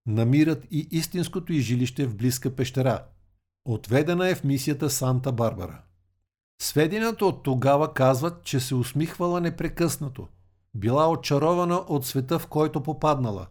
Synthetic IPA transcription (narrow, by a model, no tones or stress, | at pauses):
nɐmiɾət̪iʔist̪inskot̪oiʒiliʃt̪ɛvbliskəpɛʃt̪ɛɾa | ot̪vɛd̪ɛnəɛfmisijət̪əsant̪əbaɾbɐ̰ɾə̰ | svɛd̪inət̪əot̪ːoɡavɐkazvət̪t͡ʃɛsɛʊsmixvɐlˠənɛpɾɛkɤsnɐt̪o̰ | bilˠaot͡ʃɐɾɔvɐnəʔot̪svɛt̪əfkɔjt̪opopad̪nɐlˠə̰